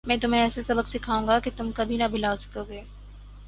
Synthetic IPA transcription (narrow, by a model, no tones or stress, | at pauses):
mɛ̃ːt̪̬ʊmẽɛːsesɐbəksɪkʰaːũːŋɡaket̪ʊmkɐbʱinabʱɪlaːosɐ̥koːɡeː